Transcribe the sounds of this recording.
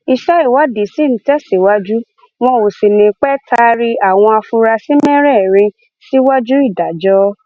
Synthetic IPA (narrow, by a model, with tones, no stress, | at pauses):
i˧ʃɛ˦i˦˨wa˦di˨si˦ñ̩˨˦tɛ˦si˨wa˦d͡ʒu˦ | w̃ɔ̃˧˦o˨si˨nĩ˨k͡pɛ˦tʰa˦ɾi˦a˨w̃ɔ̃˧a˧fu˧ɾa˧si˦mɛ̃˦ɾɛ˦˨ɾ̃ĩ˧ | si˦wa˦d͡ʒu˦i˦˨da˨d͡ʒɔ˦